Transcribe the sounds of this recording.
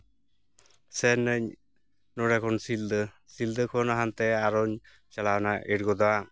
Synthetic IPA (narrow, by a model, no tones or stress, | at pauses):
sɛnəɲ | nɔɾakʰɔnsild̪ə | sild̪əkʰɔnaɦant̪ɛaɾɔɲ | t͡ʃalawnaʔiɾɡɔd̪ɔwa